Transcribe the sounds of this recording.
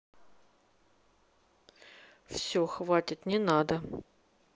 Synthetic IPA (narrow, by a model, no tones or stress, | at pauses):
fsʲoxvatʲɪt̪nʲɪnad̪ə